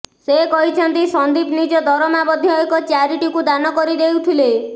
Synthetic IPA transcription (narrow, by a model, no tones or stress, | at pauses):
sekɔɦit͡ʃʰɔnt̪isɔnd̪ibnid͡ʒɔd̪ɔɾɔmabɔd̪ʱjɔekɔt͡ʃaɾiʈikud̪anɔkɔɾid̪ewt̪ʰile